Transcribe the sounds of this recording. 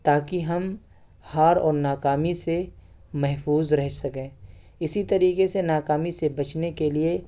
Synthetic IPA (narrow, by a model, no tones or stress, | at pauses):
t̪aːkiɦɐm | haːɾɔːɾnaːkaːmise | mɛɦfuːzɾɛɦsɐkẽː | ɪsit̪ɐɾiːkesenaːkaːmisebɐt͡ʃnekelie